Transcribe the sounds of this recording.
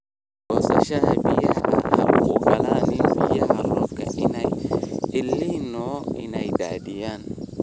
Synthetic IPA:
bɔːsɐ̰ʃɐhɐbɪjɐhɐhɐ̰ʔʊɣʊɡɐlaːnɪnbɪjɐɦɐrɔfkʰɐʔɪnɛjʕɪlːɪnɔːɪnɛjd̪a̰ːd̪ɪjaːn

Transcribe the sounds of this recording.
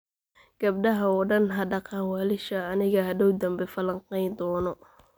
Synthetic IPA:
ɡ̥ɐb̚ɖɐɦɐɔɖɐnɦɐɖɑqɑːnwɑlɪʃɐːnɪɣɐɦɐd̪ɔwd̪ɐmbɛfɐlɐŋqɛjnd̪ɔːnɔ

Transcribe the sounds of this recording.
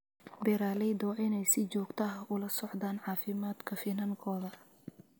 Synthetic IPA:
bɛɾaːlɛjd̪ɔːʔɪnɛjsɪt͡ʃɔːɡt̪ʰɐɦʊlɐsɔʕd̪aːnʕɑːfɪmaːd̪kʰɐfɪnɐŋkʰɔːðɐ

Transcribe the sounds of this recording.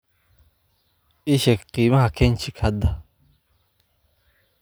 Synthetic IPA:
ʔɪʃɛkqiːmɐɦɐkʰɛnt͡ʃɪkhɐd̪ɐ

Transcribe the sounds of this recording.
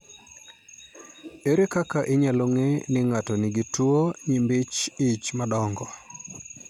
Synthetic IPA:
eɾekakaʔɪɲaloŋenɪŋatɔnɪɡitwuoɲimbɪt͡ʃɪt͡ʃmadɔŋɡɔ

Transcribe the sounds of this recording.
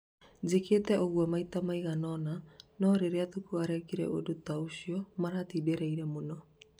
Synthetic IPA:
d͡ʑeketɛʔoɣwamaitamaiɣanɔnanɔɾeɾeatukuaɾɛkiɾɛ̰ʔodotaoɕiɔmaɾatiːdeɾɛiɾɛmonɔ

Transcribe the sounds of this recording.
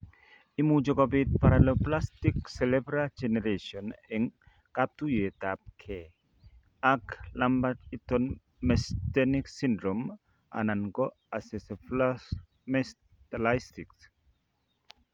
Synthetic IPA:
imud͡ʒɔkobit̪̚paɾaloplast̪ikselebɾad͡ʒeneɾesɔneŋ | kap̚t̪ujet̪ap̚kʰe | aklambatit̪ɔn | mɛst̪eniksindɾɔm | ʔa̰nanɡo | aseseplas | mes | t̪alajst̪iks

